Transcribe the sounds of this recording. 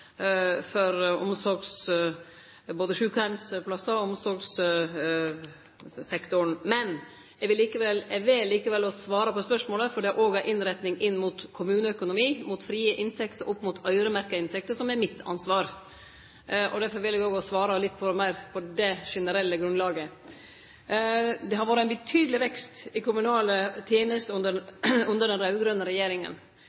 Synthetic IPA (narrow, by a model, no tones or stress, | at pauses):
fɔɾʊmsɔɾɡs | boːd̪əʂʉːkʊhæmspʰlɑsːɑɔmsɔɾɡs | sɛkt̪ʊɳmɛn | ɛɡʋɪliːkəʋɛlɛɡʋɪllːiːkəʋɛlːɔsʋɑːɾɑpʰɔspœʂmoːləfɔɖɛʔoːɡæɾʔɪnɾɛt̪nɪŋʔɪnːmut̪kʰʊmʉːnəœkʊnʊmiːmut̪fɾiːəʔɪnt̪ʰɛkt̪əɾʔɔpːmuːt̪ʰœʏɾəmæɾkɑɪnt̪ʰɛk̚t̪əʂɔmɛɾmɪt̪ʰːɑ̰nsʋɑːɾ | ʔɔ̰d̪æɾfɔɾʋɪlɛɡoːɡɔsʋɑːɾɑlɪt̪ːpʰɔmæɪɾpʰɔd̪ɛʂɛnəɾɛlːəɡɾʉnd̪lɑːɡə | d̪ɛhɑɾʋoːɾəæɪnbət̪ʰyːd̪əlɪʋɛkst̪ɪkʰʊmʉnɑːlət̪ʰjeːnəst̪əʉnd̪əʉnd̪əɖɛnɾɑʉɡɾœnəɾɛjeːɾɪŋə̰n